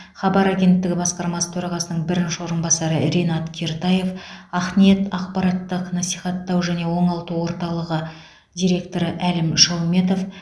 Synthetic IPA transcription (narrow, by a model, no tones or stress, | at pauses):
χɑbɑɾaɡʲe̞nt̪ːɪɡʲɪbɑsqɑɾmɑsə̥t̪ʰɵɾɑʁɑsənəɴbɪɾɪnʃɪwo̞ɾənbɑsɑɾəɾenɑt̪kʲʰe̞ɾt̪ɑje̞fɑχme̞t̪ɑq̚pɑɾɑt̪ːəqnɑsijχɑt̪ːɑwʒæne̞wo̞ɴɑlˠt̪əwo̞ɾt̪ɑlˠəʁə | d̪ʲijɾʲe̞k̚t̪o̞ɾəʔælɪmʃɑwme̞t̪̬o̞f